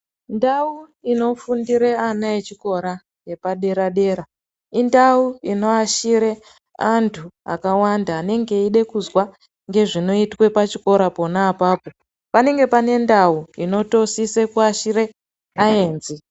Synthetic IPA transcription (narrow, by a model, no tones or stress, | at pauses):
ndauino̞fundiɾeanaet͡ʃiko̞ɾa | je̞paɗe̞ɾaɗe̞ːɾa | indauino̞aʃiɾe | antʰua̰kawandaːne̞ŋɡe̞iɗe̞kuzwa | ŋɡe̞ʐino̞itwe̞pat͡ʃiko̞ɾapo̞naːpaːpo | pane̞ŋɡe̞pane̞ndauino̞to̞sisekuaʃiɾe̞ | aeːnzi